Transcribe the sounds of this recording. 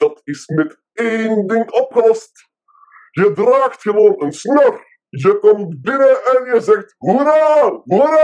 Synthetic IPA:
dɑtɪsmɛt | ejndɪŋɔpχəlɔst | jədraːxtxəʋoːnənsnør | jəkɔmtbɪnəʔɛnjəzɛxtɦuɾarɦuɾ

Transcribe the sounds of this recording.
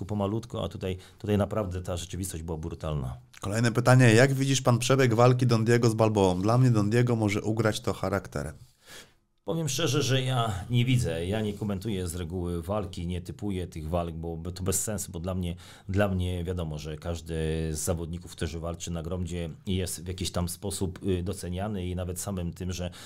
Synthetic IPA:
upɔmalut̪kɔa̰t̪ut̪ajt̪ut̪ajnapɾavd̪ɛt̪aʐɛt͡ʂɘvʲist̪ɔʑd͡ʑbɘwabɾut̪alna̰ | kɔlɛjnɛpɘt̪aɲɛjaɡvʲid͡ʑiʂpanpʂɛbʲjɛɡvalk̬ʲid̪ɔnd̪jɛɡɔzbalbɔɔmd̪lamɲɛd̪ɔnd̪ʲjɛɡɔmɔʐɛʔuɡɾat͡ɕt̪ɔxaɾakt̪ɛ̰ɾ | pɔvʲjɛmʂt͡ʂɛʐɛʐɛjaɲɛvʲid̪zɛjaɲɛkɔmɛnt̪ujɛzɾɛɡuwɘvalkʲiɲɛt̪ɘpujɛt̪ɘɣvalɡ̚bɔbt̪ɔbɛsːɛnsubɔd̪lamɲɛ | d̪lamɲɛvʲjad̪ɔmɔʐɛkaʐd̪ɘzːavɔd̪̚ɲikufkt̪uʐɘvalt͡ʂɘnaɡɾɔmd͡ʑɛjɛst̪vʲjakʲiɕt̪amspɔsupd̪ɔt̪sɛɲanɘinavɛt̪samɘmt̪ɘmʐɛ

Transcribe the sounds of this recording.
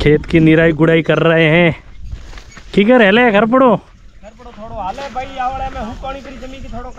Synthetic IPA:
kʰeːt̪kinɪɾaːiɡʊɽaːikɐɾːɐɦeɦɛ̃ː | kikɐɾɛlekɐɾp̬ɐɽoː | kɐɾpɐɽot̪ʰoːɽoaːlebʱaiaːʋɽɛmɛ̃ɦʊkɔːɽ̃it̪ɐɾid͡ʒɐmĩːnkit̪ʰoːɽo

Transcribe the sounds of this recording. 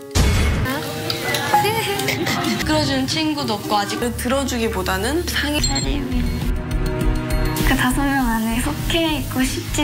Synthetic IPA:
a | kɯɾʌd͡ʑunɯnt͡ɕʰinɡudʌp̚k͈oad͡ʑikɯɭtɯɾʌd͡ʑuɡipodanɯnsʰaŋit͡ɕaɾimin | kɯtasʰomʌŋanesʰokʰeik͈oɕʰip̚t͡ɕ͈e

